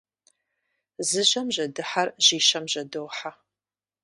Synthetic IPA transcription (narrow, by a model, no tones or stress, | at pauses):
zɨʑɐmʑɐdɨħarʑ̥iːʃɐmʒɐdowħa